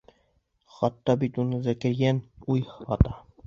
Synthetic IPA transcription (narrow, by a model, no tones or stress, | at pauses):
χɑt̪ːɑbit̪unɤzæ̆kɘ̆ɾɡænujhɑt̪ɑ